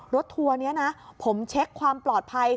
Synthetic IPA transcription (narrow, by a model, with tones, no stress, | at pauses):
ɾo˦˥t̪ʰːu˧ɐni˦˥ɐna˦˥pʰo˩˦mt͡ɕʰe˦˥kʰwaː˧mplɔː˨˩t̪̚pʰa˧j